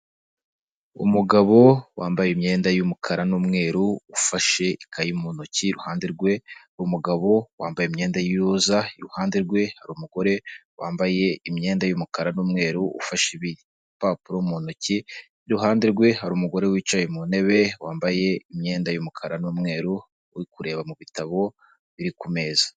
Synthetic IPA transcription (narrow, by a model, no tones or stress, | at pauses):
ṵmuɡaβo̞wʔaːmbajimɲe̞ːndajumukʰaɾanuːmŋe̞ːɾuːfaʃe̞ikʰajimunuciɾuhaːndiɾɡwe̞haɾuːmuɡaβo̞waːmbajeimɲe̞ːndajijuzaiɾuhaːndiɾɡwe̞haɾuːmuɡ̥o̞ɾe̞wʔaːmbaje̞imɲe̞ːndajumukaɾanuːmŋe̞ːɾuṵfaʃeβi | paːpuɾomunuci | iɾuɦaːndiɾɡwe̞ɦaɾuːmuɡo̞ɾe̞wiːt͡ʃajemune̞βe̞waːmbaje̞imɲe̞ːndajumukʰaɾanuːmŋe̞ːɾu | wikuɾe̞ːβamuβitaβo̞ | βiɾikume̞ːzḁ